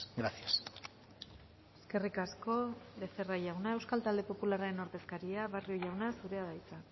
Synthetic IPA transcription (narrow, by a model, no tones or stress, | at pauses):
ɡɾasias | e̞ske̞rikasko̞βe̞se̞raʝawnae̞wskalt̪ald̪e̞po̞pulaɾaɾe̞no̞ɾðe̞skaɾiaβario̞ʝawnasuɾe̞aðajt͡sa